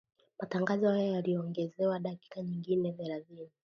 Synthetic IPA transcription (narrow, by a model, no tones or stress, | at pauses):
mataŋɡazɔhajajaliɔɔŋɡɛzɛwaɗaki̥kaɲiŋɡinɛvɛɾazili